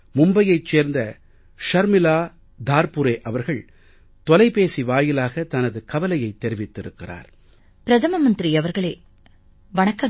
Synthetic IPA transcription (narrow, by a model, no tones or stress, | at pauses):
mʊmbɐjɐɪt͡ʃːeːɾnd̪ɐ | ʃɐɾmɪlaː | d̪aːɾpʊɾeːʔɐʋɐɾɣɐɭ | t̪ɔlɐɪpeːsiʋaːjɪlaːɣɐt̪ɐnɐðɯkɐʋɐlɐjɐɪt̪ːɛɾɪʋɪt̪ːɪɾɯkːɪra̰ːɾ | pɪɾɐðɐmɐmɐnd̪ɾiɐʋɐɾɣɐɭḛː | ʋɐɳɐkːɐ